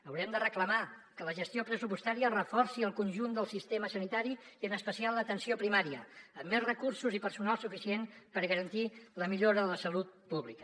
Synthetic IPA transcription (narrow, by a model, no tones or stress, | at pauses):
əwɾɛmd̪ərəkləma | kələʒəst̪iopɾəsupust̪aɾiərəfɔrsiəlˠkunʲʒund̪əlˠsist̪eməsənit̪aɾiiənəspəsialˠlət̪ənsiopɾimaɾiəəmːezrəkursuzipəɾsunalˠsufisienpəɾɣəɾənt̪iləmiʎoɾəðələsəlut̪̚puβlikə̥